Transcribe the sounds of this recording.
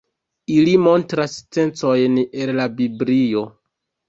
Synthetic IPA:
ilimo̞ntɾast͡se̞nt͡so̞jne̞llabiblio̞

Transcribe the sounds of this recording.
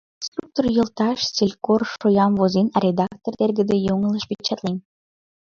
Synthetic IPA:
st̪ruk̚t̪orjə̆lt̪ɑʃt͡silʲkorʃojɑmvozinrʲed̪ɑk̚t̪ord̪erɡə̆d̪ejoŋələʃpit͡ɕet̪len

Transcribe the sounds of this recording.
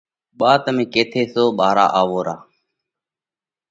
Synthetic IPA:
ɓaːt̪əmẽːkeːt̪ʰeːsoːɓaːɾa̰ːʔaːʋoːɾaː

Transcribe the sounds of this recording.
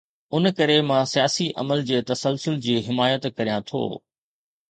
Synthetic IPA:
ʊnkɐɾemãsijaːsiʔɐ̰məld͡ʑeːt̪ɐsəlsʊld͡ʑiːɦɪmaːjət̪kɐɾijãt̪ʰo̰ː

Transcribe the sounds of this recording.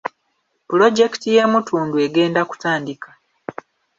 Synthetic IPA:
pulo̞ɟe̞ki̥tije̞ːmutʰuːndue̞ɡe̞ːndaku̥taːndikḁ

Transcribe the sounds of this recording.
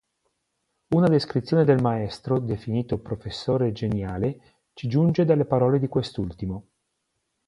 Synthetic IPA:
unad̪eskɾit̪sːjoːned̪elmaɛst̪ɾod̪efiniːt̪opɾofesːoːɾed͡ʒenjaːle | t͡ʃid͡ʒund͡ʒed̪alːepaɾɔːled̪ikwest̪ult̪imo

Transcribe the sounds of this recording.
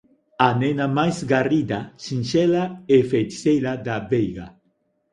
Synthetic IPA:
anɛnamajzɡarid̪aʃinʃɛlaefejtsejlad̪abejɣa̰

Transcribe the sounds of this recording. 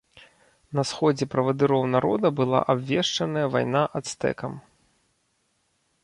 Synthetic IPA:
nɐsxɔd͡zʲɛpɾɐvɐd̪ɨɾɔwnaɾɔd̪ɐbɨlˠa̰ʔabvʲɛʂt͡ʂɐnɐjɐva̰jn̪aʔat̪st̪ɛ̰kɐm

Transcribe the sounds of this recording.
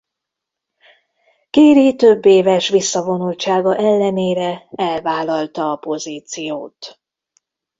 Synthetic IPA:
kiːɾit̪ø̞bːeːvɛʃʋisːɒvo̞nult͡ʃaːɡɒʔɛlːɛneːɾɛɛlvaːlɒlt̪ɒːpo̞ziːt̪sijoːt̪

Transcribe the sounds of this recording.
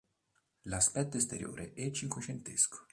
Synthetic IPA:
laspɛt̪ːoest̪eɾjo̰ːɾʔeʔɛt͡ʃːiŋkwet͡ʃent̪eskʰo̥

